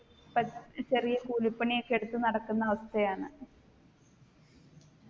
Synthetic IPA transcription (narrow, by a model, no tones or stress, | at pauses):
pɐt͡ɕɐrijɐkuːlipːɐɳijokːeɽut̪ːɨnɐɽɐkːunːɐɐʋɐst̪ɐjaːɳɨ